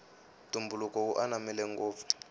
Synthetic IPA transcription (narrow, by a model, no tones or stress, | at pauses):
tumbulukɔkuʔanamɛlɛŋɡoːp̪fu̥